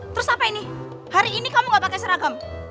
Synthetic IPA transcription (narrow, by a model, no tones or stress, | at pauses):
t̪əɾʊsapaini | haɾiːnikamuɡapakɛjsəɾaɡam